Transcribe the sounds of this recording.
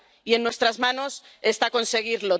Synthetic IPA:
ie̞nːwe̞st̪ɾazmano̞s | est̪ako̞nse̞ɣ̞iɾlo

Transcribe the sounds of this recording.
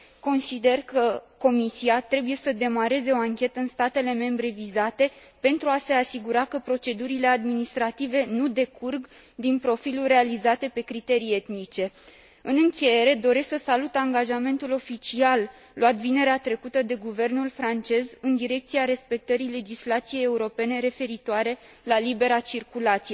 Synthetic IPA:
ko̞nsid̪e̞rkəko̞misiat̪ɾe̞buje̞səd̪e̞maɾe̞ze̞o̞aŋkʲe̞t̪əɨnst̪at̪e̞le̞me̞mbɾe̞vizat̪e̞ | pe̞nt̪ɾuase̞asiɡuɾakəpɾo̞t͡ʃe̞d̪uɾile̞ad̪minist̪ɾat̪ive̞nud̪e̞kʰurɡ | d̪inpɾo̞filulre̞alizat̪e̞pe̞kɾit̪e̞ɾie̞t̪nit͡ʃe̞ | ɨnɨŋkʲeje̞ɾe̞d̪o̞ɾe̞sksəsalut̪aŋɡaʒame̞nt̪ulo̞fit͡ʃialː | oat̪vine̞ɾeat̪ɾe̞kut̪əd̪e̞ɡuve̞rnulfɾant͡ʃe̞zɨnd̪iɾe̞k̚t̪siaɾe̞spe̞k̚t̪əɾile̞d͡ʒislat̪sije̞je̞uɾo̞pe̞ne̞ɾe̞fe̞ɾit̪oaɾe̞lalibe̞ɾat͡ʃirkulat̪sije

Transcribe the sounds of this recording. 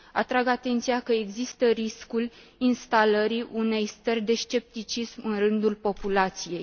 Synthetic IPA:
at̪ɾaɡat̪e̞nt̪sijakəeɡzist̪əɾiskul | inst̪aləɾiʔune̞jst̪ərʲd̪e̞ʃt͡ʃe̞p̚t̪it͡ʃismɨnrɨnd̪ulpo̞pulat̪sije̞j

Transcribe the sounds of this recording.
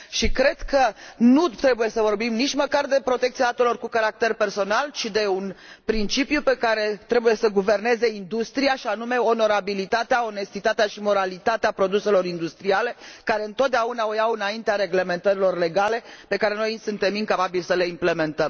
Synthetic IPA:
ʃikɾe̞d̪̥kʰənut̪ɾe̞buje̞səvo̞rbimnit͡ʃʲməkard̪e̞pɾo̞t̪e̞k̚t̪iad̪at̪elo̞rkukaɾak̚t̪erpe̞rso̞nalt͡ʃid̪e̞unpɾint͡ʃipjupe̞kaɾe̞t̪ɾebuje̞səɡuve̞rne̞ze̞ind̪ust̪ɾijaʃianume̞o̞no̞ɾabilit̪at̪eao̞ne̞st̪it̪at̪eaʃimo̞ɾalit̪at̪eapɾo̞d̪use̞lo̞ɾind̪ust̪ɾiale̞kaɾe̞ɨnt̪ot̪̚d̪eaunaojawɨnaint̪eaɾe̞ɡle̞me̞nt̪əɾilo̞rle̞ɡale̞pe̞kaɾe̞nojsunt̪e̞miŋkapabilsəle̞imple̞me̞nt̪əm

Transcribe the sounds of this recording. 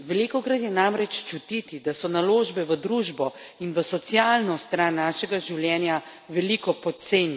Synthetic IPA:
ʋɛliːkɔkɾat̪jɛnamɾɛt͡ʃt͡ʃut̪it̪id̪asɔnaloːʒbɛʋəd̪ɾuʒbɔinʋəsɔt̪sijaːlnɔst̪ɾaːnːaːʃɛɡaʒiwljɛːnja | ʋɛlikɔpɔt̪seːnj

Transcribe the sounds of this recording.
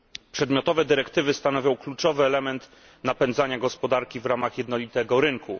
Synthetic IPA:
pʂɛd̪mʲjɔt̪ɔvɛd̪ɘɾɛkt̪ɘvɘst̪anɔvʲjɔ̃w̃klut͡ʂɔvɘɛlɛmɛnt̪ | napɛnd̪zaɲaɡɔspɔd̪aɾkʲivɾamaxjɛd̪nɔlʲit̪ɛɡɔɾɘŋkʰu

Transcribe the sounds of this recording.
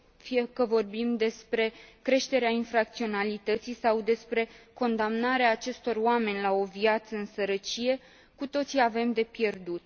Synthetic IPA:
fije̞kəvo̞rbimd̪e̞spɾe̞kɾe̞ʃt̪e̞ɾeainfɾak̚t̪sio̞nalit̪ət̪sisawd̪e̞spɾe̞ko̞nd̪amnaɾeaːt͡ʃe̞st̪o̞roame̞nʲlao̞viat̪səɨnsəɾət͡ʃije̞ | kut̪o̞t̪siave̞md̪e̞pje̞rd̪ut̪̚

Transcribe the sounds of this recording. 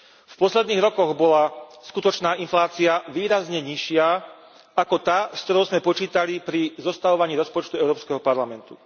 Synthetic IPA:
fpɔslɛd̪niːɣɾɔkɔɣbɔlaskut̪ɔt͡ʃnaːʔinflaːt͡siaʋiːɾazɲɛɲiʃɪa | akɔt̪aːskt̪ɔɾɔʊzmɛpɔt͡ʃiːt̪alipɾizɔst̪aʋɔʋaɲiːɾɔspɔt͡ʃt̪uɛʊɾɔːpskɛɦɔpaɾlamɛnt̪ṵ

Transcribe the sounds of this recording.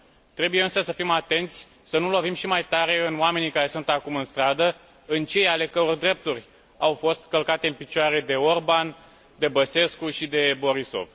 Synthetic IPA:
t̪ɾe̞buje̞ɨnsəsəfimat̪e̞nt̪sʲ | sənulo̞vimʃimajt̪aɾe̞ɨnoame̞nikaɾe̞sunt̪akumɨnst̪ɾad̪ə | ɨnt͡ʃe̞jale̞kəɾord̪ɾe̞p̚t̪urʲ | awfo̞st̪kəlkat̪e̞ɨnpit͡ʃaɾe̞d̪e̞o̞rban | d̪e̞bəse̞skuʃid̪e̞bo̞ɾiso̞̰v

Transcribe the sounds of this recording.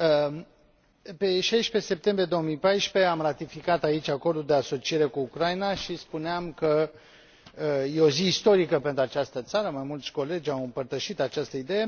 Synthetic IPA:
pe̞ʃajʃpe̞se̞p̚t̪e̞mbɾije̞d̪o̞omijpajʃpe̞amrat̪ifikat̪ait͡ʃʲako̞rd̪uld̪e̞aso̞t͡ʃie̞ɾe̞kuːkɾajnaʃispuneamkə | je̞o̞ziːst̪o̞ɾikəpe̞nt̪ɾuat͡ʃast̪ət̪saɾəmajmult̪sʲko̞le̞d͡ʒʲawɨmpərt̪əʃit̪at͡ʃast̪əid̪e̞je̞

